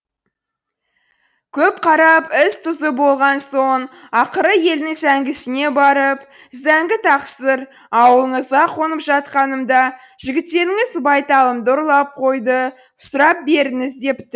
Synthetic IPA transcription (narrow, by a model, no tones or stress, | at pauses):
kʲʰɵpqʰɑɾɑpɪst̪ʰʊzəbo̞lˠʁɑnso̞ɴ | ɑqəɾəje̞lnɪŋzæŋɡʲɪsɪne̞bɑɾəp | zæŋɡʲɪt̪ʰɑqsəɾ | ɑwlˠəɴəzʁɑqʰo̞nəpʒɑt̪̚qɑnəmd̪ɑ | ʒ̥ɪɡʲɪt̪ːe̞ɾɪŋɪzbɑjt̪ɑlˠəmd̪əʊɾlˠɑp̚qʰo̞jd̪ə | sʊɾɑp̚be̞ɾɪŋɪzd̪e̞p̪